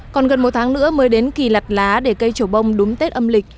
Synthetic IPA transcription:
kɔ˨˩nɣə˨˩nmo˨˩t̚t̪ʰaː˨˦ŋnɨ̰˧˥əməː˨˦jɗe˨˦nki˨˩la˨˩k̚laː˨˦ɗe˧˩kə˧jt͡ɕo˧˩ɓə˧wŋ͡mɗʊ˨˦ŋ͡mt̪e˦˥t̚ʔə˧mlï˨˩k̟̚

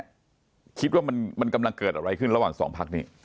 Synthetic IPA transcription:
kʰi˦t̪̚waː˥˩ma˧nma˧nka˧mla˧ŋkɤː˨˩t̪̚ʔa˧ɾa˧jkʰɯ˥˩nɾa˧waː˨˩ŋsɔ̰ː˩˦ŋpʰa˦˥k̚niː˦˥

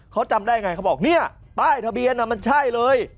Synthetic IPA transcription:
kʰa˦˥wt͡ɕa˧mdaː˥˩ja˧ŋa˧jkʰa˦˥˩wbɔː˨˩k̚ni˥˩ɐ | t̪aː˥˩jt̪ʰa˧bi˧ənːa˧˩ma˧nt͡ɕʰa˥˩jlɤː˧j

